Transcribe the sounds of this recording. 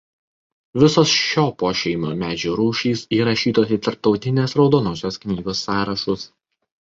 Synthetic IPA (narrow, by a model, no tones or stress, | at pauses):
ʋʲɪsoːsʃʲoːpoːʃʲɛɪmoːmʲæːd͡ʒʲuːɾuːʃʲiːsiːɾɐʃʲiːt̪oːsʲiːt̪ɐɾp̚t̪ɒʊt̪ʲɪnʲeːsɾɒʊd̪oːnoːsʲoːsknʲiːɡoːsːɑːɾɐʃʊs